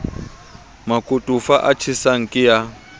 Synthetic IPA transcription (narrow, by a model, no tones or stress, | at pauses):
makʼutʼufaʔat͡ʃʰisaŋ̩kʼɪja